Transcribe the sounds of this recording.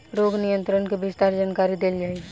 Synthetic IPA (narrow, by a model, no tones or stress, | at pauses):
ɾoːɡnijə̃nt̪ɾənkebɪst̪aːɾd͡ʒaːnkaːɾid̪eːld͡ʒaːi